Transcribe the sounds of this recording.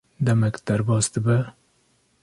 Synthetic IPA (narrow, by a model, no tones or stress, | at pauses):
d̪ɛmɛkd̪̥æɾbɑːsd̪əbɛ